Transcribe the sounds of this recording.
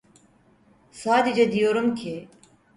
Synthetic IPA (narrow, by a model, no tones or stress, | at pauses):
saːd̪id͡ʒad̪ijoɾumkʲʰi